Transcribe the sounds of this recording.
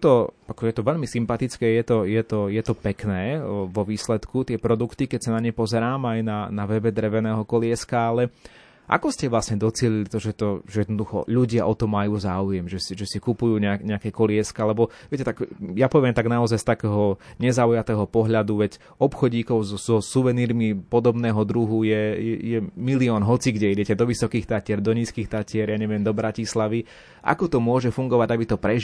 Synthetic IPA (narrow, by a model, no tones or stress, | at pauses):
t̪ɔakɔjɛt̪ɔʋɛʎmisimpat̪it͡skɛːjɛt̪ɔjɛt̪ɔjɛt̪ɔpɛknɛːʋɔʋiːslɛt̪kut̪ɪɛpɾɔd̪ukt̪ikɛcsanaɲɛpɔzɛɾaːmajnanaʋɛbɛd̪ɾɛʋɛnɛːɦɔkɔlɪɛskaalɛ | ʔa̰kɔscɛʋlasɲɛd̪ɔt͡sɪɛʎilit̪ɔʒɛt̪ɔʒɛjɛd̪nɔd̪uxɔ̰ʎuɟɪaʔɔt̪ɔmːajuːzaːujɛmʒɛsiʒɛsikupujuːɲɛaɲɛakɛːkɔlɪɛskaalɛbɔvʋɪɛcɛt̪aɡjapɔʋɪɛmt̪aɡnaɔzajst̪akɛːɦɔɲɛzaujat̪ɛːɦɔpɔɦʎad̪uʋɛɟ | ɔpxɔɟiːkɔʊzɔzɔsuʋɛniːɾmipɔd̪ɔbnɛːɦɔd̪ɾuɦujɛjɛ̰jɛmiliɔːnɦɔt͡siɡɟɛiɟɛcɛd̪ɔʋisɔkiːxt̪acɪɛɾd̪ɔɲiːskiːxt̪acɪɛɾjaɲɛʋɪɛmd̪ɔbɾacislaʋi | ʔa̰kɔt̪ɔmʊɔʒɛfuŋɡɔʋaɟabit̪ɔpɾɛ